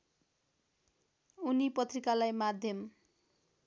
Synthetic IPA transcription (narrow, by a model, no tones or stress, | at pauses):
unipʌt̪rikalajmad̪ʱjʌm